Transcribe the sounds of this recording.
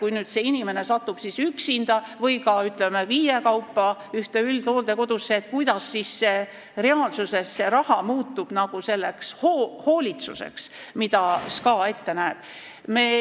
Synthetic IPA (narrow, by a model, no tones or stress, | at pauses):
kujnyːd̪̥seinime̞ne̞sɑt̪ːub̥sisyksind̪̥ɑvɤjkɑyt̪ˑle̞meviːjekɑwpːɑyht̪e̞ylt̪oːld̪e̞ko̞d̪̥usːeːt̪̚kujd̪̥ɑsːisːe | re̞ɑːlsuse̞sːeɾɑhɑmuːt̪ːub̥nɑɡ̥use̞lːe̞kshoho̞ːlʲit̪sṵsḛks | mid̪̥ɑskɑːe̞t̪ːe̞næːb̥ | meː